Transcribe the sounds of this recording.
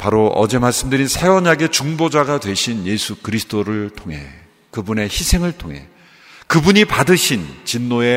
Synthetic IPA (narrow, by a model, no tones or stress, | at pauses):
paɾoʔʌ̰d͡ʑe̞maɭs͈ɯmdɯɾinsʰewʌɲaɡe̞t͡ɕuŋbod͡ʑaɡadwe̞ɕʰinje̞sʰukɯɾisʰɯ̥d̥oɾɯɭtʰoŋɦe̞̰ | kɯbune̞çisʰe̞ŋɯɭtʰoŋɦe̞̰ | kɯbuɲipadɯɕʰint͡ɕinːoe̞